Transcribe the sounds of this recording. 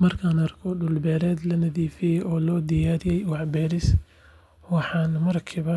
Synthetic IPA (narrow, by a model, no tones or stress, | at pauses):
mɐrkʰaːnɐrkʰɔɖʊlbɛːɾɛːd̪lɐnɐðiːfɪjɛʔɔːlɔːd̪ɪjaːɾɪjɛjwɑħbɛːɾɪs | wɑħɑːnmɐrkʰiβɐ